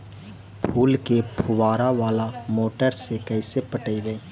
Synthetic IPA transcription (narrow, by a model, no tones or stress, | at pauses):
pʰuːlkepʰʊʋaːɾaʋaːlamoːʈəɾsekɛɪsepəʈəiʋeeː